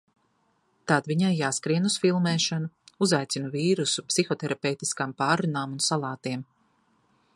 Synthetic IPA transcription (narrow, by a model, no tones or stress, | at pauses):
t̪ad̪viɲajːaːskɾiɛnusfilˠmɛːʃanuuzajt̪sinuviːɾusupsixɔt̪ɛɾapɛwt̪i̥skaːmpaːɾunaːmunsalˠaːt̪iɛm